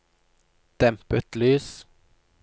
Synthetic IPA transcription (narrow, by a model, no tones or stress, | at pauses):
d̪̥ɛmpət̪lyːs